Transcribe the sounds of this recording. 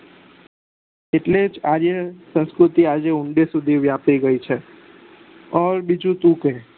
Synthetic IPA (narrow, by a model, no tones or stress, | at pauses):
eʈlet͡ʃaːd͡ʒesə̃nskɾʊt̪iaːd͡ʒeʊɳɖesʊd̪ʱiʋjaːpiɡəit͡ʃʰe | ɔːɾbid͡ʒũt̪ũːke